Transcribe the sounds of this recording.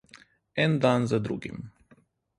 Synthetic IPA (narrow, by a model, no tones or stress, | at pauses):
ɛnd̪anzad̪ɾṵɡḭm